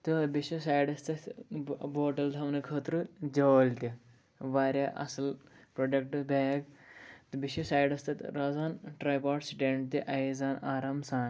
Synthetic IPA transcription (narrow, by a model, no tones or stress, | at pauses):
t̪ɨbiʃusaːjɖɐst̪ɐ | boːʈɐld̪ʱɐmnɨkʰəːt̪ɾud͡ʒɐːlt̪i | ʋaːɾʲjaʔɐ̰sɐlpɾoːɖek̚ʈɨbʱeːɡt̪ɨbiʃusaːjɖɐst̪ɐt̪ɾaːzaːnʈɾɐjpaːʈsʈeɳʈt̪iʔɐizaːnaːɾaːmsaːn